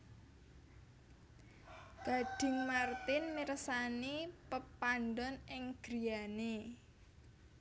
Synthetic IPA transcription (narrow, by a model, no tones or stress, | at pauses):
ɡ̥a̤ɖ̥ɪ̤ŋmart̪ɪnmiɾəsanipəpand̪ɔnɪŋɡ̥ɾi̤jane